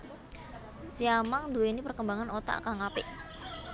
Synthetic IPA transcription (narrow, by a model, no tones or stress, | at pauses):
siamaŋd̪uwenipərkəmbaŋanot̪a̰ʔkaŋapɪʔ